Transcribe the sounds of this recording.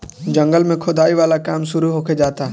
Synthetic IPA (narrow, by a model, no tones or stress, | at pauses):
d͡ʒɐ̃ŋɡəlmẽkʰoːd̪ʱaːiʋaːlakaːmʃʊɾuɦoːked͡ʒaːt̪a